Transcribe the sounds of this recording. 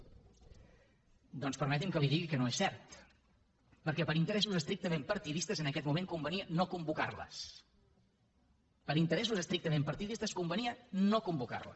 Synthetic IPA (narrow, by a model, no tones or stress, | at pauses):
d̪ɔnspəɾmɛt̪̬imkəliðiɣikənoesːɛɾt̪ | pəɾkɛpəɾint̪əɾɛsuzəst̪ɾik̚t̪əmempəɾt̪iðist̪əzənəkɛt̪mumeŋkumbəniənokumbuka̰rlə̰s | pəɾint̪əɾɛs̬uzəst̪ɾik̚t̪əmempəɾt̪iðist̪əskumbəniənokumbuka̰rlə̰s